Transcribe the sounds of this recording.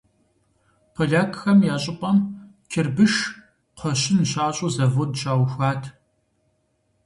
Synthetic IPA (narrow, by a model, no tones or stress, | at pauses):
pʰɐɮaːkʰxɐmjaːɕʼɪpʼɐm | kʰɪrbɨʂ | qʰɔɕɪnɕaːɕʼuzɐvodʃaːwxʷaːtʰ